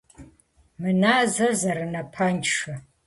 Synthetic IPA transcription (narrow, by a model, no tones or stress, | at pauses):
mɨnaːzɐrzɐɾɨnɐpʰant͡ʃʂɐ